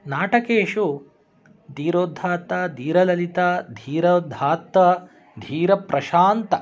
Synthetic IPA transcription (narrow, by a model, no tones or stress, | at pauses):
naːʈɐkeːʂu | d̪iːɾoːd̪ʱaːt̪ːad̪ʱiːɾɐlɐlit̪aːd̪ʱiːɾɐd̪ʱaːt̪ːɐ | d̪ʱiːɾɐpɾɐʃaːnt̪ɐ